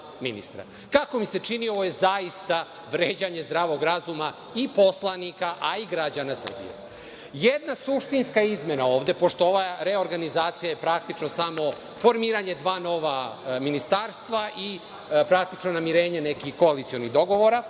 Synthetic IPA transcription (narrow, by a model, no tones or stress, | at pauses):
mḭnḭst̪ɾa̰ | kako̞mise̞t͡ʂiniooje̞zaist̪a | ʋɾeːd͡ʑaɲe̞zd̪ɾaːʋo̞ɡɾazuma | ipo̞slˠanikaʔaiɡɾad͡ʑanasə̰r̩bḭjḛ | jed̪nasuʂt̪inskaizme̞naoːʋd̪e̞po̞ʂt̪ooʋaɾeo̞ɾɡanizaːt̪sijaje̞pɾak̚t̪it͡ʃno̞samo̞ | fo̞ɾmiːɾaɲe̞d̪ʋaːno̞ʋaminist̪aːɾst̪ʋaʔi | pɾakt̪it͡ʃno̞namiɾe̞ːɲe̞nekixko̞alit̪sioniɣd̪o̞ɡo̞ʋoɾa